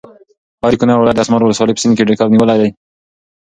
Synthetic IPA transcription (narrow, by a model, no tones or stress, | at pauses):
hɑɾikʊnɑɾwlɑjt̪d̪asmɑɾwʊləswɑləjpə̥sinkeɖekɑbniwəlajd̪aj